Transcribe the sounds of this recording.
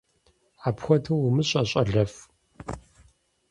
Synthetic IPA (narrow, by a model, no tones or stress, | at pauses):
apxʷɔtʰɐwʊmɨɕʼɐɕʼɐ̰ɮɐf